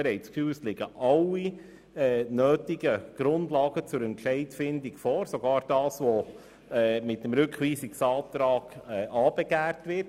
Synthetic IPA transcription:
ɛɾɛɪt͡skfyːslɪɡəʔɑlːi | ɛnøːtiɡ̥əɡ̥ɾʊndlɑːɡət͡sʊɾɛntʃɛɪtfɪndiɡfɔːɾsoɡɑːɾd̥ɑːsʋo | ɛmɪt̚dəmɾʏkχʋiːsiksɑːtɾɑːɡ̥ɛʔɑːb̥ɛɡæːɾtʋɪɾt

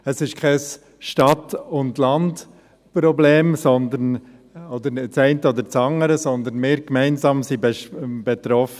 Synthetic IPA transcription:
əsɪʃkʰɛs | ʃtɑtʊndlɑnd | pɾɔbleːmsɔnd̪ən | ɔd̪əɾnɪt͡sɛɪntəɔd̪əɾt͡sɑŋəɾəsɔnd̪ənmɪːɾkmɛɪnsɑːmsibɛb̥ɛt̪ɾɔfə

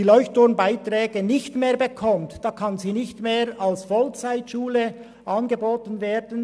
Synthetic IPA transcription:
iːlɔʏçtʰʊnbaɪtrɛːɡ̥ənɪçtmeːɐbekʰɔmtd̥ɑːkʰɑnziːnɪçtmeːɾɑlsfɔlt͡saɪtʃuːlə | ʔɑnɡəboːtənveːɾdən

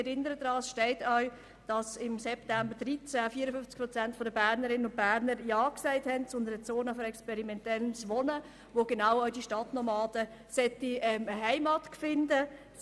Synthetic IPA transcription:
ɛɾɪnəɾəd̥ɾɑːsʃtɛɪtœɥ | d̥ɑsɪmsɛptæmbəɾd̥ɾit͡sæfiːɾəfʏft͡skpʰɾɔt͡sæntfɔdəbæːɾnəɾɪnənʊnt̚b̥æːɾnəɾjɑːksɛɪthɛntt͡sʊnd̪əɾət͡soːnəfɔɾɛkspɛɾimɛntɛlnsʋɔnə | ʋoɡ̥enaʊɔɥdiʃtɑtnɔmɑːd̥ə | sɛtːiɛməɦɛɪmɑtkfɪndə

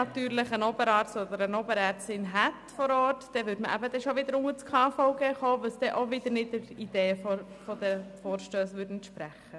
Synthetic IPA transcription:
ɑt̪yːɾlɪχənɔbəɾɑːɾtsɔd̪əɾənɔbəɾɛːɾtsɪnɦæt̪fɔɾɔːtd̥ɛʋʏɾtməʔæ̰bəd̪ɛʃoʋɪd̪əɾʊŋət͡skʰɑːfɔʊɡɛːχoːʋəlsd̥̪ɛʔoʋɪd̪əɾnɪtəɾid̪̥eːəfo | fɔd̥̪əfoːɾʃtøːsʋʉːɾdn̩t̪ʃpɾæχə

